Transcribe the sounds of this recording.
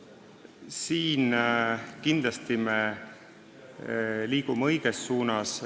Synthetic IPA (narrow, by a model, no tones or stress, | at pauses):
siːn | kind̪lɑst̪ime | liːɡumeɤ̞jɡ̥esːuːnɑs